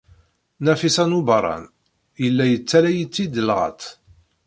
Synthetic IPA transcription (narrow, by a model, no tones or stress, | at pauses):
næfisænubɑɾˤɑ̰n | jəlːæjət͡sːæɾæjət͡sːid̪əlʁɑ̰t̪